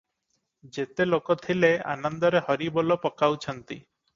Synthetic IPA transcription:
d͡ʒet̪elokot̪ʰilea̰nɔnd̪ɔɾehɔɾibɔlopɔkawt͡ʃʰɔnt̪i

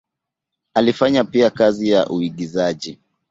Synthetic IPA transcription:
alifaɲapiakazija̰ʔuiɠizaʄi

